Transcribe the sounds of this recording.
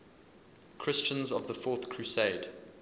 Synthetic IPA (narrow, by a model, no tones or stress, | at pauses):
kʰɹ̥ɪst͡ʃə̃nzəvðəfɔˑθkʰɹ̥ʉseɪd̥